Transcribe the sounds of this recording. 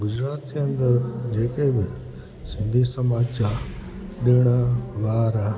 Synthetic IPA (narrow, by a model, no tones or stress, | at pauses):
ɡʊd͡ʒɾaːt̪̚d͡ʑeːə̃nd̪əɾd͡ʑeːkebɪ | sɪ̃nd̪ʱisəmaːd͡ʒd͡ʑa | ɗɪɽ̃ʋaːɾa